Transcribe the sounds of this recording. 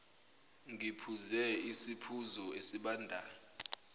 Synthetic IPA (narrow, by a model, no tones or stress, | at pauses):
ŋipʰuzɛisipʰuzɔesiɓaːndʱaːnɔ